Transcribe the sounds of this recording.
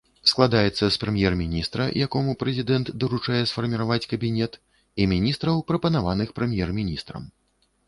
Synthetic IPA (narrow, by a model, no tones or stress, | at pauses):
sklˠad̪ajɛt̪sːɐspɾɛmʲjɛrmʲinʲist̪ɾɐ̰jakɔmupɾɛzʲid̪ɛnt̪d̪ɐɾut͡ʂajɛsfɐrmʲiɾavat͡sʲkɐbʲinʲɛt̪ | imʲinʲist̪ɾɐwpɾɐpɐnavanɨxpɾɛmʲjɛrmʲinʲist̪ɾɐ̰m